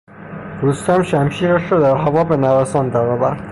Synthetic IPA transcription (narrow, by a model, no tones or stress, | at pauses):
d̪̥ust̪æmʃæmʃiːɾæʃɾɒːd̪æɾɦævɒːbenæɾæsɒːnd̪æɾɒːvæɾd̪̥